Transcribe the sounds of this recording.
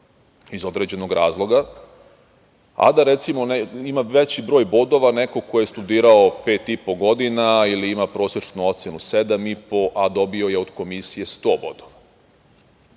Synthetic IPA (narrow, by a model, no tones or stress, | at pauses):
izo̞d̪ɾed͡ʑe̞noɡɾaːzlˠo̞ɡa | a̰d̪aɾet̪simonimaʋet͡ɕibɾo̞ːjbo̞d̪o̞ʋaneko̞kojest̪ud̪iːɾaope̞ːt̪ipo̞ɡo̞d̪inailiimapɾo̞ːsɾet͡ʃnuo̞t̪se̞nused̪amipo̞ʔad̪o̞bio̞je̞od̪ko̞misije̞st̪o̞ːbo̞d̪oʋa